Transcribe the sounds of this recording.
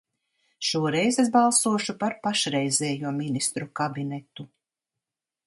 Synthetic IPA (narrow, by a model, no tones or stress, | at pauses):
ʃuɔɾɛjzes̬balˠsuɔʃupaɾpaʃɾɛjzɛːjuɔminist̪ɾukabinɛt̪u